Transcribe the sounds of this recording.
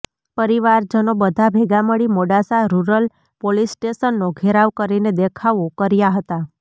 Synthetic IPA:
pəɾiʋaɾd͡ʒənobəd̪ʱabʱeɡaməɽimoɽasaɾuɾəl | polisʈeʃənːoɡʱeɾaʋkəɾined̪ekʰaʋokəɾjaɦət̪a

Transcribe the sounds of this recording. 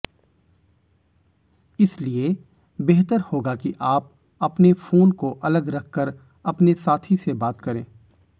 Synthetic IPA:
ɪslie | beːɦt̪əɾhoːɡakiʔaːp̚ | ɐpnefoːnkoʔɐləɡɾɐkʰkəɾ | ɐpnesaːt̪ʰisebaːt̪kɐɾẽː

